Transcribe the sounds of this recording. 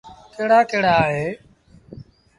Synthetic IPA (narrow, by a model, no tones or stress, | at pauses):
keːɽaːkeːɽaːɦeː